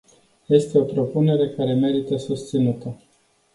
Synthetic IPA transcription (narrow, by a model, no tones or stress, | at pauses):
je̞st̪e̞o̞pɾo̞pune̞ɾe̞kaɾe̞me̞ɾit̪əsust̪sinut̪ə